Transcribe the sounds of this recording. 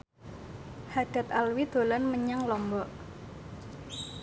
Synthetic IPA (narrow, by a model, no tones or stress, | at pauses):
had̪̥a̤t̪alwid̪̥o̤lɔnməɲaŋlɔmbɔʔ